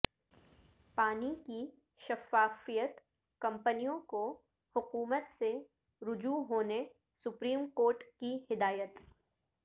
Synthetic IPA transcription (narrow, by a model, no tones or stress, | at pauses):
paːniki | ʃɐfaːfijət̪ | kɐ̃mpənijõko | hʊquːmət̪se | ɾʊd͡ʒuɦoːne | sʊpɾiːmkoːɾʈkihɪd̪aːjət̪